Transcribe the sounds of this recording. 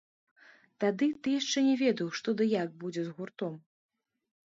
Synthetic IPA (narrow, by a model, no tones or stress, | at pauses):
t̪ad̪ɨt̪ɨjaʂt͡ʂɛnʲɛvʲɛd̪ɐwʂt̪ɔd̪ɨjak̚bud͡zʲɛzɣurt̪ɔm